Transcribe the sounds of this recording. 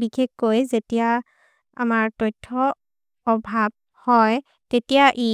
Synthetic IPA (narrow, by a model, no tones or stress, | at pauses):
bixʰekkojzetija | a̰maɹtɔjtʰːɔː | bʱab̚ | hɔj | tetijaʔi